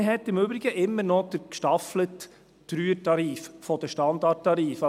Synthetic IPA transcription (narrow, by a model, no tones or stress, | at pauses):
ɦɛtɪmʏbɾɪɡəʔɪmːəɾnɔd̥̪əɾkʃtɑflətː | ɾyːətɑɾiːffɔd̥̪əʃtɑnd̪ɑt̚ːɑɾiːf